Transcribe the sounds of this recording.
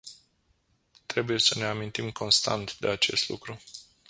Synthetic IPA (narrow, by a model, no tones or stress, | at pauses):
t̪ɾe̞buje̞səne̞amint̪imko̞nst̪a̰nt̪d̪e̞at͡ʃe̞̰st̪lṵkɾu